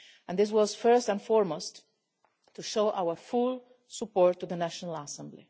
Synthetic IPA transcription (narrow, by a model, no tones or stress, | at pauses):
ɛ̃nðɪs̬wʌz̥fɜ˞stə̃nfɔɹmost | tʰːuʃoʊʔawə˞fulˠ | səpɔɹtːuðənæʃɔnəl̩əsɛ̃mblḭ